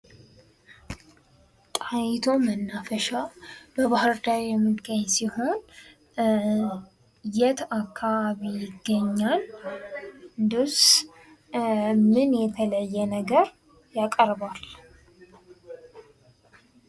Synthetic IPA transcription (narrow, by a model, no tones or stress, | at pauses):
t̪ʼajɪt̪ʰo̞mənːafəʃabəβahɨɾd̪aɾjɛmːɨd̪ɡaɲsiho̞n | jɛt̪ʰakʰːaβaβijɪɡːəɲːal | d̪us | mɨnjɛt̪ʰələjːɛnəɡəɾ | jakʼəɾbal